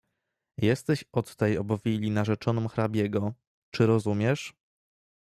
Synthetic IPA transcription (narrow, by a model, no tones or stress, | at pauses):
jɛst̪ɛɕɔt̪ːɛjɔbɔvʲilʲinaʐɛt͡ʂɔnɔmxɾabʲjɛɡɔ | t͡ʂɘɾɔzumʲjɛʂ